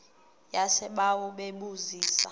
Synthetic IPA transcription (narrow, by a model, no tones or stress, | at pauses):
jasɛɓawɔɓeɓuziːsa